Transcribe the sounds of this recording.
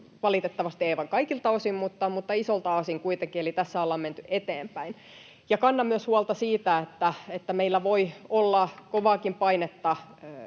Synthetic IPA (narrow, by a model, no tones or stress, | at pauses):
ʋɑlit̪et̪ːɑʋɑst̪ieiʋɑŋkɑikilt̪ɑosimmut̪ːɑmut̪ːɑisolt̪ɑosiŋkuit̪eŋkielit̪æsːæɑlːɑmment̪yʔet̪eːmpæin | jɑkɑnːɑmyøshuɑlt̪ɑsiːt̪æet̪ːæet̪ːæmeilːæʋoiolːɑkoʋɑːkimpɑinet̪ːɑ